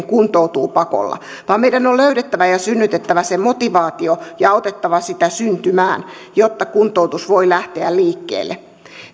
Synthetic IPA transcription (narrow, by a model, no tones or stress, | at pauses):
ŋkunt̪out̪uːpɑko̰lːɑ̰ | ʋɑːmmeidænolløyɾet̪ːæʋæjɑsynːyt̪et̪ːæʋæsemot̪iʋɑːt̪iojɑɑot̪et̪ːɑʋɑsit̪æsynt̪ymæːnjot̪ːɑkunt̪out̪usʋoilæht̪eælliːkːḛːlːḛ